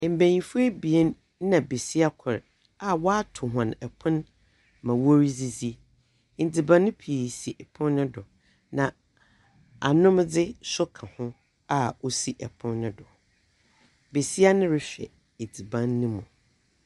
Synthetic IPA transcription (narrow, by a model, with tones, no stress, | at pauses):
m̩˨bẽ˨ɲĩ˨fʊ˦e˦bi˨e˦n˦ | ã˨be˨si˦a˦kʷʰʊ˨ɾ | a˨wɔ˦a˦tʰʊ˨ɦã˨nɛ˨pʰʊ̃˦n | mã˨wo˦ɾi˦d͡zi˦d͡zi˦˨ | d͡zi˨bã˦nːʊ̃˦pʰi˨si˨ʔɛ˨pʰʊ̃˦nːʊ̃˦dʊ˨ | nã˨ | a˨nʊ̃˦m˦dɪ˦sʊ˦kʰã˨hʊ̃˦ | a˨o˦si˨ʔɛ˨pʰʊ̃˦nːʊ̃˦dʊ˨ | be˨si˦a˦nʊ̃˦ɾɪ˦fɛ̰˨ | e˨d͡zi˨bã˦nːʊ̃˦mũ˨